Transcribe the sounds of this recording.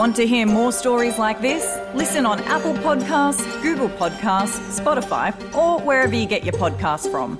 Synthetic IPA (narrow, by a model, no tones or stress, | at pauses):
ɑ̃ntɨɦiɹmɔɹstɔɹizlaɪk̚ðɪs | lɪsɨ̃nə̃næpl̩ˠpʰɑd̚kʰastsɡ̥ʉɡəl̩ˠpʰɑd̚kʰastspɑɾəfa̰ɪ | ʔəwə˞ɛvə˞jɨɡɛt͡ʃə˞pʰɑd̚kʰastsfɹə̰̃m